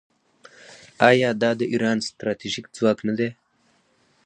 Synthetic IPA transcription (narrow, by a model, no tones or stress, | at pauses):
ɑjɑd̪ɑd̪əʔiɾɑnst̪ɾɑt̪iʒikd͡zwɑːknad̪e